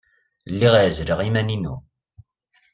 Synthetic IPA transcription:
lːiʁaʕzɾəʁimæninṵ

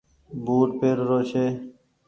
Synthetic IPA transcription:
buːʈpeːɾːoːʃeː

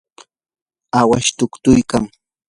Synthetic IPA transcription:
awaʃt̪ʊkt̪ʊjkaŋ

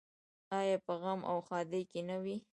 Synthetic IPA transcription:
ɑjɑpəɣamʔa̰wxɑd̪əjkenawi

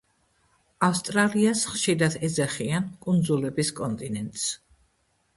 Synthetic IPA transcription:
afst̪ʼɾaliasχʃiɾad̪ɛzɛχiankʼund̪zulɛbiskʼɔnt̪ʼinɛnt̪ʼs

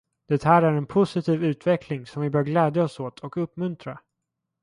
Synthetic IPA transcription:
d̪̥ɛt̪hæːɾæɾɛnpʰʊsɪt̪ʰiːvʉ̟ːt̪vɛkʰlɪŋsɔmvɪbœːɾɡlɛːd̪jaɔsoːt̪ʰɔkɵpːmɵnt̪ɾa

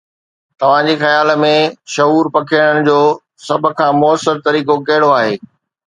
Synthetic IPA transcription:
t̪ɐʋ̤ãd͡ʑixɐjaːl̆mẽʃɐɦuːɾpɐkʰiɽ̃əɽ̃ɪ̆d͡ʑoː | sɐb̆ʱkʰãːmʊəsəɾt̪ɐɾiːkokɐɦɪɽoaːɦeː

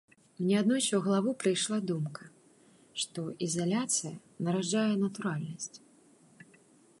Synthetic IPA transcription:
mnʲɛad̪nɔjt͡ʃwɣɐlˠavupɾɨjʂlˠad̪umkɐ̥ | ʂt̪ɔʔizalʲat̪sɨjɐ | nɐɾaajɛnɐt̪uɾalʲnɐsʲt͡sʲ

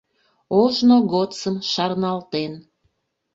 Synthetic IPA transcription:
oʒnoɣot͡səmʃɑrnɑlt̪en

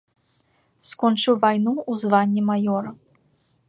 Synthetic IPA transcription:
skɔnt͡ʂɨwvajnuuzvanʲːimajɔɾɐ

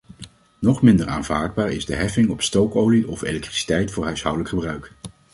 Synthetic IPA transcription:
nɔχmɪndəɹaːnvaːɹd̚baːɹɪ̰zdəɦɛfɪŋɔpstowkowliʔɔfḛlɛk̚tri̥si̥tɛjtfʊːɹɦœɥsɦʌwdələkχəbrœɥk

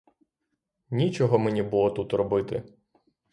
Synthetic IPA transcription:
nʲit͡ʃɔɦɔmenʲibulˠɔt̪ut̪rɔbɪt̪ɪ

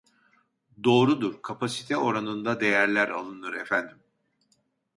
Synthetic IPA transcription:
d̪o̞ːɾud̪uɾkʰapʰasi̥t̪ʰɛo̞ɾanɯnd̪ad̪e̞jæɾlʲæɾa̰lˠɯnɯɾefænd̪im

